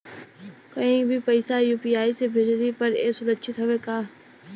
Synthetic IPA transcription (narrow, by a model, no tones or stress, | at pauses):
kɐɦĩbʱipɐɪsajuːpiːjaːisebʱɪd͡ʒɾipɐɾeːsʊɾəʃɪt̪ɦɐʋekaː